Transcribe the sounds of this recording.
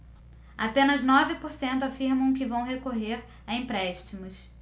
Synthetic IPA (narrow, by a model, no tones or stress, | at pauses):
apẽnɐznɔvɪpoɾsẽnt̪ʊafiɾmɐ̃w̃kɪvɐ̃w̃ɦekoɦeɾ | aẽmpɾɛʃt͡ʃimʊs